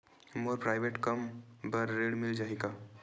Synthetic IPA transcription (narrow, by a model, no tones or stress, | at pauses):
moɾpɾaːɪʋeʈkɐmbəɾːeɽmɪld͡ʒaːika